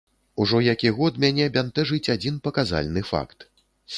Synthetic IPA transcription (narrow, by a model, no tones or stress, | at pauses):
uʐɔjakʲiɣɔd̪mʲanʲɛbʲant̪ɛʐɨt͡sʲad͡zʲinpɐkaza̰lʲnɨfa̰kt̪